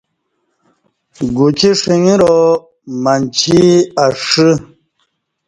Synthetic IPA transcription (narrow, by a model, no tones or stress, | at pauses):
ɡut͡ɕiʂiŋiɾo | mant͡ɕʰiaʂɨ